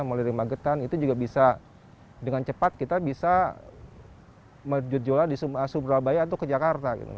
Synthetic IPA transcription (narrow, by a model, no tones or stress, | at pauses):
məliɾɪŋmaɡət̪anit̪ud͡ʒuɡabisa | dəŋant͡ʃəpat̪̚kit̪abisa | məd͡ʒʊt̪̚d͡ʒoladisuasubɾabajat̪̬ukəd͡ʒakart̪aɡḭt̪ṵ